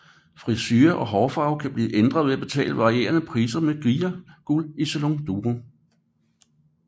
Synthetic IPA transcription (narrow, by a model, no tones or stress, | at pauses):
fʁisyːɐʔɒ̽ɦɒːfɑ̈ʊkʰæb̥lḭːʔend̥ʁɐðˠʋe̝æb̥e̝t͡sʰɛ̰ːləʋɑ̈ʁie̝̰ːɐnəpʰʁiːsɐmeɡ̥ʁiːɐɡ̥uliseloŋd̥uːʁo